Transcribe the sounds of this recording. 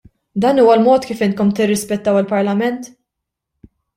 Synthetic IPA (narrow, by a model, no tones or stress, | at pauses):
d̪ɐːnuːwɐlmɔːt̪kiːfɪnt̪̚kɔmt̪ɪrːɪspɛt̪ːɐwɪlpɐɾlɐmɛnt̪